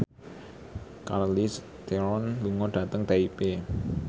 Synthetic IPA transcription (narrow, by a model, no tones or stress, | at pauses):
karlis | t̪eɾɔnluŋɔɖ̥ä̤t̪əŋt̪eipe